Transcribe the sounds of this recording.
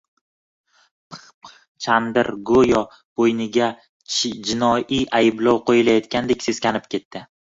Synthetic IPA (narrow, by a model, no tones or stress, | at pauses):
pʰχp | t͡ʃʰand̪ɪɾɡojɒ | b̥ojnɪɡʲa | d͡ʒɪnɒiʔajɪblawqʰojɪlajɒt̪̚kʲand̪e̞kʲsez̥kʲanɪp̚kʲe̞t̪ːɪ